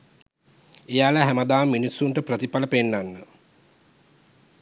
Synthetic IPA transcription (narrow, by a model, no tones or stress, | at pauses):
ejaːləɦæməd̪aːminisːuɳʈəprət̪ipaləpenːanːə